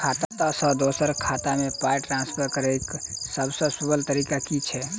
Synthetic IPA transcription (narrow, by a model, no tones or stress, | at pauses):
kʰat̪at̪ɔsə̃d̪osəɾkʰat̪amepajʈɾãnspʰəɾkəɾejksəbsə̃subəlt̪əɾikakit͡ʃʰɛ